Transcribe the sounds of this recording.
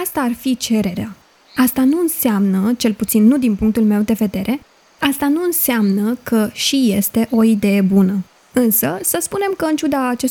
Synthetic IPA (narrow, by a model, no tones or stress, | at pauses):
ast̪aːrfit͡ʃe̞ɾe̞ɾea | ast̪anuɨnseamnət͡ʃe̞lput̪sinːud̪inpuŋk̚t̪ulme̞wd̪e̞ve̞d̪e̞ɾʔe̞ | ast̪anuɨnseamnəkəʃije̞st̪e̞ʔo̞id̪e̞je̞bunə | ɨnsəsəspune̞mkəɨnt͡ʃud̪aːt͡ʃes